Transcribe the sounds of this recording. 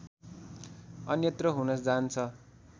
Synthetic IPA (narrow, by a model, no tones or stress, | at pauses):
ʌnjʌt̪rʌɦunʌsd͡zant͡sʰʌ